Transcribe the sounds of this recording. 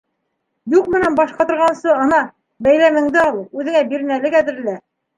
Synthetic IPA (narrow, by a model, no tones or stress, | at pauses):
juqmɘ̆nænbɑʃqɑt̪ŏɾʁɑnsɤɤnɑ | bæjlæmɘ̆ŋd̪ɘɑlˠɤpʉðɘ̆ŋæbiɾɘ̆nælɘkæðɘ̆ɾɘ̆læ